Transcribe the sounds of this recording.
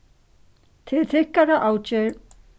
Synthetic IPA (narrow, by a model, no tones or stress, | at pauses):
t̪ʰɪðθɪhkaɾaʔaːwt͡ɕɛɾ